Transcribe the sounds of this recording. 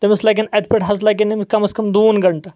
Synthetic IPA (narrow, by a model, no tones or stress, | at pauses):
t̪ɐmislɐɡʲinɐt̪̚peʈɦɐzlɐɡinimkɐmɐskɐmd̪uːnɡɐɳʈɐ